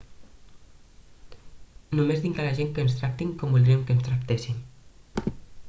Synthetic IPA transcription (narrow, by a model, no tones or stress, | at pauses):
numezðiŋkalaʒeŋkənst̪ɾak̚t̪iŋkɔmbulˠd̪ɾiemkənst̪ɾak̚t̪esim